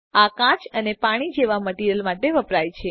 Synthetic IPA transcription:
akãt͡ʃənepaɽ̃id͡ʒeʋaməʈiɾəlmaʈeʋəpɾajt͡ʃʰe

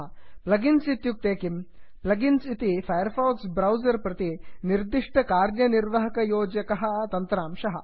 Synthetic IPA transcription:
plɐɡinsit̪juk̚t̪eːkimplɐɡinsit̪ifɐjɐɾfɐːɡsbɾɐwzɐɾpɾɐt̪iniɾd̪iʂʈɐkaːɾnjɐniɾʋɐɦɐkɐjoːd͡ʒɐkɐɦɐ̆t̪ɐnt̪ɾaːmʃɐɦɐ̰̆

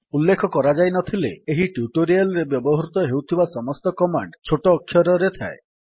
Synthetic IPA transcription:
ulːekʰɔkɔɾad͡ʒajnɔt̪ʰileːɦiʈjuʈoɾialɔɾebjɔbɔɦɔɾut̪ɔɦewt̪ʰibasɔmɔst̪ɔkɔmaɳɖt͡ʃʰoʈɔːkʰːjɔɾɔɾet̪ʰa̰e

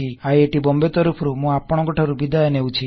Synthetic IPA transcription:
iajeʈibɔmbet̪ɔɾupʰɔɾumũapɔɽ̃ɔɡɔʈʰaɾubid̪aenewt͡ʃʰi

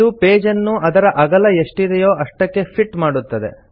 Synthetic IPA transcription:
upe̞ːd͡ʒɐnːuɐd̪ɐɾɐʔɐɡɐlɐeʂʈid̪ɛjo̞ːʔɐʂʈɐkːe̞pʰiʈmaːɽut̪ːɐd̪e̞̰

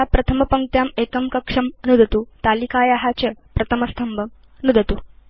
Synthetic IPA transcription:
apɾɐt̪ʰɐmɐpɐŋ̚t̪jaːmekəmkɐkʂɐmnud̪ʱɐt̪uːt̪alikajaɦat͡ɕəpɾɐt̪ʰɐmɐst̪ʰɐmbʱəm | nud̪ʱɐt̪u

